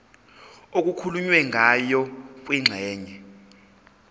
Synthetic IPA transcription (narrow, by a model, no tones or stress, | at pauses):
ok̬ʼukʰuluɲwɛŋʱajɔk̬ʼwiŋ͡ǁʱɛːɲɛ